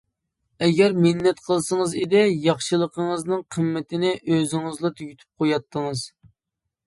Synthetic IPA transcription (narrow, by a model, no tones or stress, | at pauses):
ɛɡʲɛɾmɪnːɛt̪̚qʰəlˠsəŋəzɪd̪ɪjɑχʃɨlˠəqʰəŋəznɨŋqʰəmːɪt̪ʰɪnɪʔøzɪŋɨzlˠɑt̪ʰyɡʲyt̪ʰy̥p̚qʰojɑt̪ːəŋɨz̥